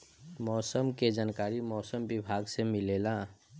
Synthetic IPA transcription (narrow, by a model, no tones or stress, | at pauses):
mɔːsəmked͡ʒaːnkaːɾimɔːsəmbɪbʱaːɡsemɪleːla